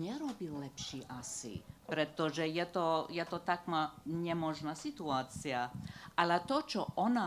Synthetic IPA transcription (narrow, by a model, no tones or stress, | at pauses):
ɲɛɾɔbilːɛpʃiʔasḭpɾɛt̪ɔʒɛjɛt̪ɔjɛt̪ɔt̪akmaɲɛmɔʒnasit̪uaːt͡siaʔalɛt̪ɔt͡ʃɔʔɔna